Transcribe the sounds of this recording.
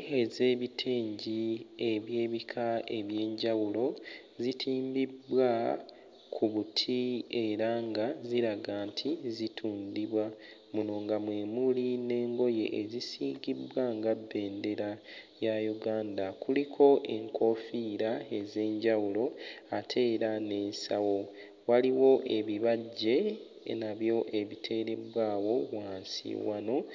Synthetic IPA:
eze̞ːβitʰeːɲɟie̞βje̞ːβikʰae̞βje̞ːɲɟawulo̞ | zitʰiːmbibwa | kʰuβutʰie̞ɾaŋɡaziɾaɡaːntʰizitʰuːndiβwa | muno̞ːŋɡamwe̞ːmuline̞ːŋɡo̞je̞̰ʔezisiːɡibwaŋɡabːe̞ːnde̞ɾajajuɡaːndakulikʰo̞ʔe̞ŋkʰo̞fiɾae̞ze̞ːɲɟawulo̞atʰe̞ːɾane̞ːnsawo̞ | waliwo̞ʔe̞βiβaɟːe̞ | naβjo̞ʔe̞βitʰe̞ːɾe̞bwaːwo̞waːnsḭwano̞

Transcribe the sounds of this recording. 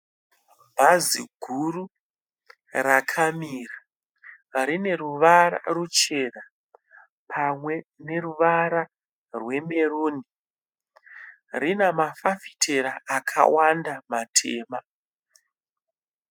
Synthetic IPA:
mbʱazḭɡʱuru | rakʰamiːra | rine̞ruʋaɾa̰rut͡ʃe̞na | pʰamwe̞ne̞ruʋaɾa | rwe̞me̞ruːni | rinamafafi̥tʰeɾaʔakʰa̰wandamatʰḛːma

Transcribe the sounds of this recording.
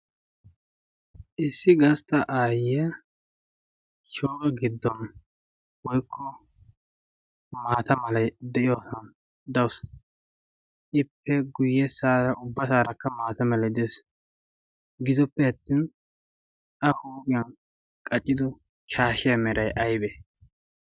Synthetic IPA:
ʔɪsːɪɡɐst̪ɐʔaːjɛ | ʃoːkʼɐɡɪd̪ːɔn | wɔjkʰːɔ | maːt̪ɐmɐlɐjd̪ɛʔɪjoːsɔn | d̪ɐws | ʔɪpːɛɡʊjːɛsaːɾɐʔʊbːɐsaːɾɐkːɐmaːt̪ɐmɐlɐjd̪ɛs | ɡɪzɔpːɛɐt̪ːiːn | ɐhoːkʼɪjɐn | kʼɐt͡ʃʼːɪd̪ʊ | ʃaːʃɪjɐmɛɾɐjʔɐjbɛ

